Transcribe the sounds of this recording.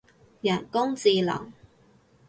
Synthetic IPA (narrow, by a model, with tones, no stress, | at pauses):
jɐ˨˩nkʊ˥ŋt͡siː˨˧lɐ̰˨˩ŋ